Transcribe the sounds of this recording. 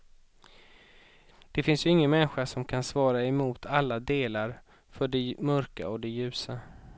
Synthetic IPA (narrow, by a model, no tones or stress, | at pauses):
d̪̥ɛfɪnsjɵɪŋːənmɛnɧaʂɔmkʰansvɑːɾaɛmuːt̪ʰalːad̪eːlaɾ | fœɖɛmœɾka̰ɔd̪ɛjʉ̟ːsa